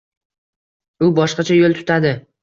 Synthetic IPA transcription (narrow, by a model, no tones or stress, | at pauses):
ʊbɒʃqɑt͡ʃʰajolˠt̪ʰʊ̥t̪ʰad̪ɪ